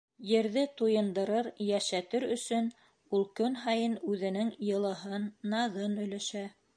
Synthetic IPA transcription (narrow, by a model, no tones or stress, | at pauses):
jɘ̆ɾðɘt̪ujɤ̆nd̪ɤ̆ɾɤɾjæʃæt̪ɘɾɵ̆sɵn | ulˠkɵnɦɑjɤnʉðɘ̆nɘŋjɤ̆lˠɤ̆ɦɤnːɑðɤnɵ̆jlæʃæ